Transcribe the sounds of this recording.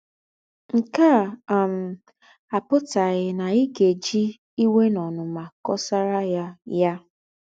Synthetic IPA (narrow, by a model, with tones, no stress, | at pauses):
ŋ̩˨ka˦˨m̩˨ | a˨pʊ˦ta˨ɣɪ˨na˨i˦ɡe˨d͡ʒi˦ | i˦we˦nɔ˨nʊ˨ma˨kɔ˦sa˦ɾa˦ja˦ja˦